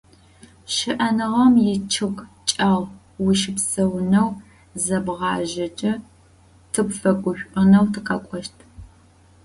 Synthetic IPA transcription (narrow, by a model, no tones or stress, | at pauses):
ʃɪʔɐnɨʁɐmjɪt͡ʃʰɨɡt͡ʃʼaʁ | wiʃɪpsɐwnɐw | zɐbʁɑːʒɐt͡ʃʼɐ | tʰɨpfɐkʷʼʊʃʷʔʼʊnɐwtʰɨqɐkʷʼɔʃtʰ